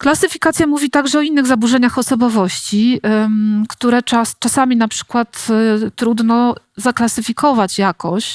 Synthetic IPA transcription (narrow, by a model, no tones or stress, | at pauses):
klasɘfʲikat̪sʲjamuvʲit̪aɡʐɛɔinːɘɣzabuʐɛɲaxɔsɔbɔvɔɕt͡ɕi | kt̪uɾɛt͡ʂast͡ʂasamʲinapʂɘ̥kwat̪t̪ɾud̪nɔ | zaklasɘfʲikɔvat͡ɕjakɔɕ